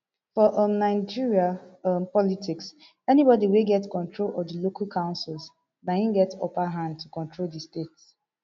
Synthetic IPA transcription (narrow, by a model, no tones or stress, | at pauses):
fɔʔʌmnãɪd͡ʒiɹiaʌmpɔlitʰiks | ɛnibɔdiweɡɛtkɔ̃ntʰɹolɔdilokʰalkʰãʊ̃nsils | naĩnɡɛto̰paɦãnd̚tʰukɔ̃ntɹoldistets